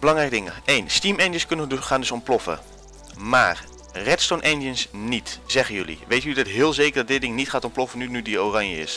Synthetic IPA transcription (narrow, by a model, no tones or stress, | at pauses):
bəlɑŋrɛjkədɪŋə̰ejnstimɛndəskɵnəʋəχaːndɵsɔmplɔfə̰ | ma̰ːr | rɛtstonʔɛndənsnitz̥ɛχənjɵlḭʋejtydətɦɪːlˠzejkərdɑt̚dɪt̚dɪŋnitχaːtɔmplɔfənynydiowrɑɲjəɪ̰s